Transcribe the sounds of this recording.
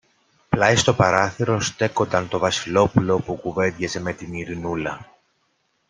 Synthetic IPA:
plɐjst̪o̞pɐɾɐθiɾo̞st̪e̞ko̞t̪ɐnt̪o̞vɐsilo̞pulo̞pukuve̞d̪ʝezeme̞t̪iniɾinulɐ

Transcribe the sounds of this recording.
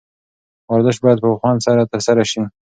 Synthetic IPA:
waɾzəʃbɑjad̪̚pəpəxwɑnsaɾat̪əɾsaɾaʃi

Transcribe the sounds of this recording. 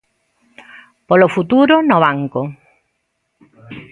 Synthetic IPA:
polofut̪uɾonoβaŋko

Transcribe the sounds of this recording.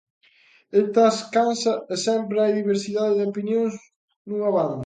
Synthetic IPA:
et̪askansɐesɛmpɾeajðiβeɾsiðaðɪðopinjoŋs | nuŋaβan

